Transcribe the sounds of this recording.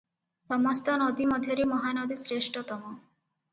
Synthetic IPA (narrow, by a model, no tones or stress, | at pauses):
sɔmɔst̪ɔnɔd̪imɔd̪ʱjɔɾemɔɦanɔd̪isɾeʃʈɔt̪ɔɦɔ̃